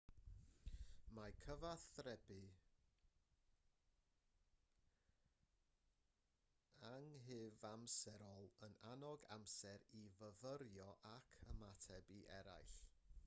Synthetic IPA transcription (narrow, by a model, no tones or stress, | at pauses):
makʰəvaθrɛbɨ | aŋɦɨːvamsɛɾɔlˠənanɔɡa̰msɛɾivəvəɾjɔʔakʰəmatʰɛbiʔɛɾa̰jɬ